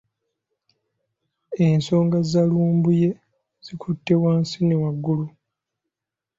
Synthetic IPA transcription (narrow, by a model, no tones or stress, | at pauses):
enso̞ːŋɡazaluːmbuje̞ | z̥ikʰutːe̞waːnsinewaɡːulu